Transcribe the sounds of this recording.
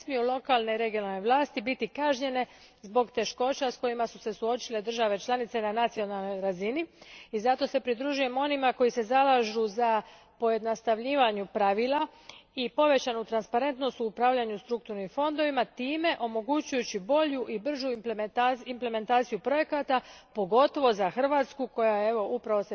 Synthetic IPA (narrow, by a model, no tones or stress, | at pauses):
smijulo̞kaːlˠneɾe̞ɡijo̞nalne̞ʋlˠaːst̪ibit̪ikaʒɲe̞ne̞ | zbo̞ɡt̪e̞ʃko̞t͡ɕasko̞jimasuse̞suo̞t͡ʃile̞d̪r̩ʒaʋe̞t͡ʃlˠanit̪se̞nanat̪sio̞nalno̞jɾaziniizat̪o̞se̞pɾid̪ɾuːʒuje̞mo̞nimako̞jise̞zalaʒuza | po̞je̞d̪nast̪aʋʎiːʋaɲupɾaʋiːlˠaipo̞ʋe̞t͡ɕanut̪ɾanspaɾe̞nt̪no̞st̪uupɾaːʋʎaɲust̪ɾuk̚t̪uɾnimfo̞nd̪o̞ʋimat̪iːme̞ʔo̞mo̞ɡut͡ɕujut͡ɕibo̞ʎuʔibr̩ʒupmaimple̞me̞nt̪aːt̪sijupɾo̞je̞kat̪apo̞ɡo̞t̪o̞ʋo̞zaxr̩ʋat̪skuko̞jajeeʋo̞ʔupɾaʋose